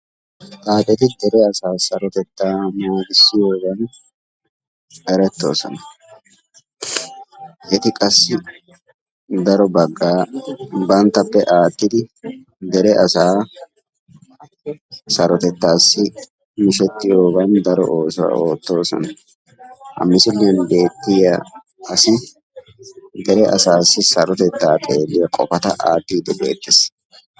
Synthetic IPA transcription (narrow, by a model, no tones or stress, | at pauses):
t̪ʼaːt̪ʼːɛt̪ɪd̪ɛɾɛɐsaːsɐɾɔt̪ɛt̪ːaːmaːɡɪsːɪjo̞ːɡɐn | ɛɾɛt̪ːo̞̰ːsɔ̰nɐ | ʔɛt̪ɪkʼɐsːɪ | d̪ɐɾɔbɐɡːaːbɐnt̪ːɐpːɛʔaːt̪ːɪd̪ɪ | d̪ɛɾɛʔɐsaː | sɐɾɔt̪ɛt̪ːaːsːɪ | mɪʃɛt̪ːɪjoːbɐnd̪ɐɾɔ̰ʔoːsʊwɐ̰o̰ːt̪ːo̞ːsɔ̰nɐ | hɐ̰mːɪsɪlːenbe̞ːt̪ːɪjɐ | ɐsɪ | d̪ɛɾɛʔɐ̰saːsːɪsɐɾɔt̪ɛt̪ːaːt̪ʼeːlːɪjɐkʼɔfɐt̪ɐʔa̰ːt̪ːiːd̪ɛbe̞̰ːt̪ːɪs